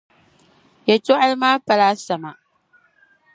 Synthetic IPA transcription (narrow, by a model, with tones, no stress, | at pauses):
ja˨to˦ʔa˦lmaː˦pa˨laː˦sa˨ma˨